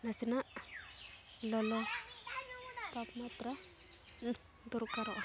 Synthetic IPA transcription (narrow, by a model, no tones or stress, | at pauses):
nasina | lɔlɔ | papmat̪ɾa | d̪uɾkaɾɔʔ